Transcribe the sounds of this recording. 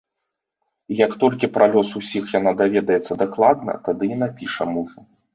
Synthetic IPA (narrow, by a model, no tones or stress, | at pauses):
ijɐkt̪ɔlʲkʲipɾalʲɔsusʲixjanad̪avʲɛd̪ɐjɛt̪sːɐd̪aklˠad̪nɐ̰t̪ad̪ɨinapʲiʂɐmuʐu